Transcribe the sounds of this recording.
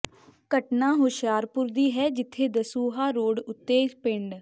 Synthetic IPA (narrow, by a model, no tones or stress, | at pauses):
kəʈnãːɦʊʃjaːɾpʊɾd̪iːɦɛːd͡ʒɪt̪ʰːeːd̪əsuːɦaːɾoːɽʊt̪ːeːd͡ʒpɪɳɖ